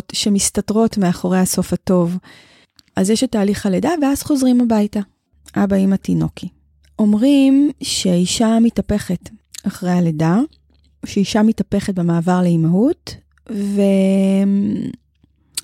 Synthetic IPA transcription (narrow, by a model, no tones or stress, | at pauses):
tʃe̞mistatʁo̞tmeaχo̞ʁejaso̞fato̞v | ʔazjɛʃetaːliχaledaveaz̥χo̞zʁimabajta | ʔabaimatino̞kʰi | ʔo̞mʁimʃeiʃamitape̞χe̞taχʁejaleda | oʃeiʃamitape̞χet̚bemaːvaʁleimaɦut | ve